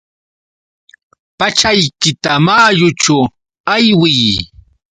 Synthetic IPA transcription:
pat͡ʃajkɪt̪amaːjʊt͡ʃʊ | ajwɪj

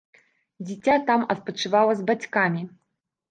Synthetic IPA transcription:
d͡zʲit͡sʲat̪amɐt̪̚pɐt͡ʂɨvawɐzbat͡sʲkamʲi

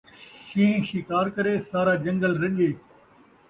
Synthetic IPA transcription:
ʃĩːʃɪkaːɾkɐɾesaːɾaːd͡ʒɐ̃ŋɡəlɾɐɗieː

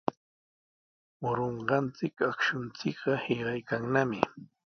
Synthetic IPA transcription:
wʊɾoɴɢɑnt͡sɪkakʃʊnt͡sɪkɢɑheɢɑjkaŋnamɪ

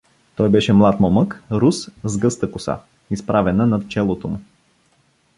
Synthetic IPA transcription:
t̪ɔjbɛʃɛmlˠat̪mɔməkɾuszɡɤst̪əkʊsa̰ | ispɾʔavɛnənɐt̪t͡ʃɛlˠot̪omʊ

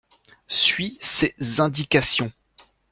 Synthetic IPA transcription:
sɥisezɛ̃d̪ikasjɔ̃

